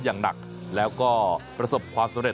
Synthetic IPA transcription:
jaː˨˩ŋna̰˨˩k̚ | lɛː˦˥wkɔː˥˩pɾa˧so˨˩p̚kʰwaː˧msa˨˦mɾe˨˩

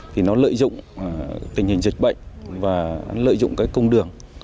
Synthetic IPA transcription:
t̪ʰi˨˩nɔ˨˦lə̰ː˧˨jzʊ̰˧˨ŋ͡mt̪ï˨˩ŋ̟hi˨˩ŋ̟zï˨˩k̟̚ɓə̰˧˨jŋ̟vaː˨˩˨lə̰ː˧˨jzʊ̰˧˨ŋ͡mkaː˨˦jkə˧wŋ͡mɗɨ˨˩əŋ

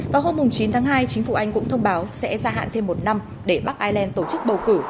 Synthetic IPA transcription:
vaː˨˩wɦo˧mːʊ˨˩ŋ͡mt͡ɕi˨˦nt̪ʰaː˨˦ŋɦaː˧jt͡ɕï˨˦ŋ̟fṵ˧˩ʔa˧jŋ̟kʊ̰˧˥ŋ͡mt̪ʰə˧wŋ͡mɓaː˨˦wsɛ̰˧˥zaː˧ɦa̰ː˧˨nt̪ʰe˧mːo˨˩t̚na˧m | ɗe˧˩ɓa˦˥k̚ʔaː˧jlɛ˧nt̪o˧˩t͡ɕɨ˦˥k̚ɓə˨˩wkɨ˧˩

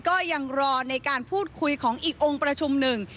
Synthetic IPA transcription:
kɔː˥˩ja˧ŋɾɔː˧na˧jkaː˧npʰuː˥˩t̪̚kʰu˧jkʰɔː˩˦ŋʔiː˨˩k̚ʔo˧ŋpɾa˧t͡ɕʰu˧mnɯ˨˩ŋ

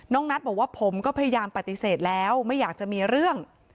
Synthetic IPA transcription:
nɔː˥˩ŋ̚na˦˥bɔː˨˩k̚waː˥˩pʰo˩˦mkɔː˥˩pʰa˧ja˧jaː˧mpa˨˩t̪ːi˨˩seː˨˩t̪̚lɛː˦˥wma˥˩jːaː˨˩k̚t͡ɕa˨˩miː˧ɾɯ˥˩əŋ

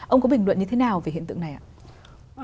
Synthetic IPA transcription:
ʔə˧wŋ͡mkɔ˨˦ɓï˨˩ŋ̟lwə̰˧˨nɲɨ˧t̪ʰe˨˦naː˨˩wve˨˩ḭ˧˨nt̪ɨ˧˨na˨˩jʔa̰ː˧˨

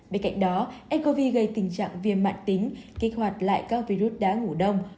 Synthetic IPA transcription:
ɓe˧nka̰˧˨jŋ̟̚ɗɔ˨˦ʔɛ˧nko˧vi˧ɣə˧jt̪ï˨˩ŋ̟t͡ɕa̰ː˧˨ŋvi˨˩ənma̰ː˧˨nt̪ï˨˦ŋ̟ki˦˥k̚hwa˨˩jt̚la̰ː˧˨jkaː˦˥k̚vi˧ɾu˦˥t̚ɗaː˨˦ŋu˧˩ɗə˧wŋ͡m

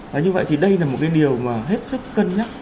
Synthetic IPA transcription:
vaː˨˩ɲɨ˧və̰˧˨jt̪ʰi˨˩ɗə˧jlaː˨˩mo˨˩t̚kaː˨˦jɗi˨˩əwmaː˨˩ɦe˦˥t̚sɨ˦˥kːə˧nɲa˦˥t̚

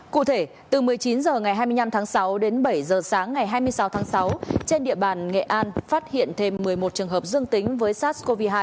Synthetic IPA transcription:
kṵ˧˨t̪ʰe˧˩ | t̪ɨ˨˩mɨ˨˩əjt͡ɕi˨˦nzəː˨˩ŋa˨˩jɦaː˧jmɨ˧jna˧mt̪ʰaː˨˦ŋsa˨˦wɗe˨˦nɓə˧˩jzəː˨˩saː˨˦ŋːa˨˩jɦaː˧jmɨ˧əjsa˨˦wt̪ʰaː˨˦ŋsa˨˦wt͡ɕe˧nɗḭ˧˨əɓaː˨˩nŋḛ˧˨ʔaː˧nfaː˦˥t̚hḭ˧˨ənt̪ʰe˧mːɨ˨˩əjmo˨˩t̚t͡ɕɨ˨˩əŋɦəː˨˩p̚zɨ˧əŋt̪ï˨˦ŋ̟vəː˨˦jsaː˦˥t̚sko˧vi˧ɦaː˧j

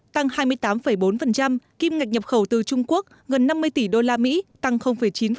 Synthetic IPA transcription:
t̪a˧ŋhaː˧jmɨ˧əjt̪aː˨˦mfə˧˩jɓo˨˦nfə˨˩nt͡ɕa˧mki˧mŋa˨˩k̚ɲə˨˩p̚xə˧˩wt̪ɨ˨˩t͡ɕʊ˧ŋ͡mku˦˥ək̚ɣə˨˩nːa˧mːɨ˧əjt̪i˧˩ɗo˧laː˧mḭ˧˥t̪a˧ŋxə˧wŋ͡mfə˧˩jt͡ɕi˨˦n

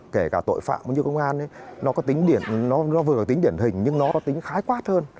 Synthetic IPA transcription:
ke˧˩kaː˧˩t̪o̰˧˨jfa̰ː˧˨mʔə˨˦ɲɨ˧wkə˧wŋ͡mʔaː˧nə˨˦jnɔ˨˦kɔ˨˦t̪i˨˦ŋ̟ɗi˧˩ənnɔ˨˦nɔ˨˦vɨ˨˩ə˩t̪i˨˦ŋɗi˧˩ənhï˨˩ŋ̟ɲɨ˧ŋnɔ˨˦kɔ˨˦t̪ï˨˦ŋ̟xaː˨˦jkwaː˦˥t̚həː˧n

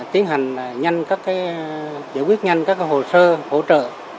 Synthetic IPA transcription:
t̪i˨˦ənɦa˨˩jŋ̟lːɲa˧jŋ̟kaː˦˥kːaː˨˦jza̰˧˥jkwi˦˥ət̚ɲa˧ŋkaː˦˥k̚ːaː˨˦jho˨˩səː˧ho̰˧˥t͡ɕə̰ː˧˨

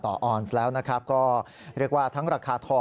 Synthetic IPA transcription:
t̪ɔː˨˩ʔɔː˧˩nslɛː˦˥wna˦˥kʰɾa˦˥p̚kɔː˥˩ | ɾi˥˩ək̚waː˥˩t̪ʰa˦˥ŋɾaː˧kʰaː˧t̪ʰɔː˧˩

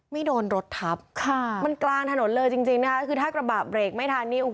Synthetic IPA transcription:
ma˥˩jdoː˧nɾo˦˥t̪ʰːa˦˥p̚kʰa˩˥˩ma˧nklaː˧ŋt̪ʰa˧no˩˦nlɤː˧jt͡ɕi˧ŋt͡ɕi˧ŋna˦˥˩ka˦˥kʰɯː˧t̪ʰaː˥˩kɾa˧baː˨˩p̚ɾeː˨˩k̚ma˥˩jt̪ʰa˧nːiː˥˩ʔu˨˩

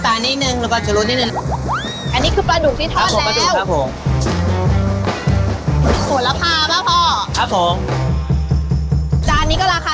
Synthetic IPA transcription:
t̪aː˧˩niː˦˥˩nɯ˧ŋlɯː˨˦kaː˥˩t͡ɕa˨lu˧˥t̪̚niː˥˩nɯ˧˨˧ | ʔa˧nːiː˦˥kʰɯː˧pɾa˧du˨˩k̚t̪ʰiː˥˩t̪ʰɔa˦˥o˨˦pa˧duː˨˩˧wʰa˦˥˩pʰo˨˩˦ŋ | sʰo˩˦la˧pʰaː˥˩p̚ma˦˥pʰɔː˧˩kʰa˦˥p̚ʰo˨˩˦ŋ | t͡ɕaː˨˧˩a˧nːiː˦˥kɔ˥˩a˧˩kʰa˧˥˩

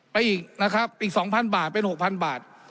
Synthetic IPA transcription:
pa˧jʔiː˨˩k̚na˦˥kʰa˦˥p̚ʔiː˨˩k̚sɔː˩˦ŋpʰa˧nbaː˨˩t̪̚pe˧nho˨˩k̚pʰa˧nbaː˨˩t̪̚

